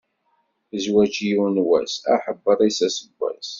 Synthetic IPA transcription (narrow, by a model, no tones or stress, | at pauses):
zwæt͡ʃijunwæ̰sæ̰ħəbːəɾˤisæsəɡʷːæ̰s